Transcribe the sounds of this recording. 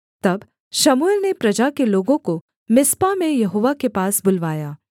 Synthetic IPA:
t̪ɐb | ʃɐmuelnepɾɐd͡ʒakeloːɡõko | mɪspamẽjɐɦoːʋakepaːsbʊlʋaːjaː

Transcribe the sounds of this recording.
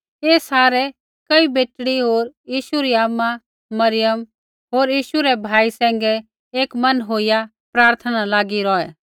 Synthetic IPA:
eːsaːɾɛ | kɐibeːʈɽiɦoːɾjiːʃuɾiaːmːa | mɐɾɪjəm | ɦoːɾjiːʃuɾɛbʱaːisɛ̃ːŋ̆ɡɛ | eːkmɐnɦoːɪja | pɾaːɾt̪ʰənalaːɡiɾɔːɛ

